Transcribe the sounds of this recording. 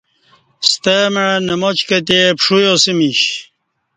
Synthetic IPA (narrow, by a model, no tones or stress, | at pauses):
st̪əmeɻnəmot͡ɕkɐt̪̬epʂujosimiɕ